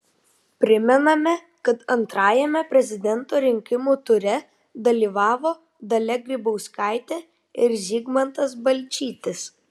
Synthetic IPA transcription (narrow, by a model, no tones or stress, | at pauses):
pʲɾʲɪmʲɛnɐmʲɛ | kɐt̪ɐnt̪ɾɑːjɛmʲɛpʲɾʲɛzʲɪd̪ʲɛnt̪oːɾʲɪŋʲkʲɪmuːt̪ʊɾʲɛ | d̪ɐlʲiːʋɑːʋoː | d̪ɐlʲɛɡɾʲɪbɐʊskɑˑɪt̪ʲe | ɪɾzʲiːɡmɐnt̪ɐsbɐlʲt͡ʃʲiːt̪ʲɪs